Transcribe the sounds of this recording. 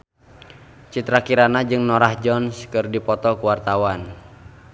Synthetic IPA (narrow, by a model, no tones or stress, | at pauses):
t͡ʃit̪ɾakiɾanad͡ʒɨŋnɔɾahd͡ʒɔnskɨrdipɔt̪ɔkuwart̪awan